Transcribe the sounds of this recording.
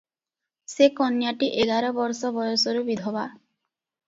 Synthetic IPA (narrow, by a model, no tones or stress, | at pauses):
sekɔnjaʈiʔeɡaɾɔbɔɾsɔbɔjɔsɔɾubid̪ʱɔba